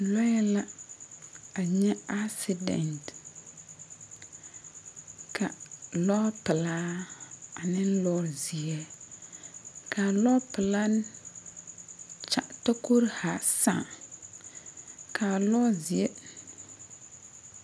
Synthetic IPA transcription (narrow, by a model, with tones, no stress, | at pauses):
lɔ˦jɛ˦la˦ | a˨ɲɛ˦a˦sɪ˦dɛ̰˨nt | kʰa˨lɔ˦pɪ˨laː˦ | a˨nɪ˦n˦lɔ˦zi˨ɛ˦ | ka˨lɔ˦pɪ˨la˦n˦ | t͡ʃa˦ʔta˦ko˦ɾha˨sã̰˦˨ | kʰa˨lɔ˦zi˨e˦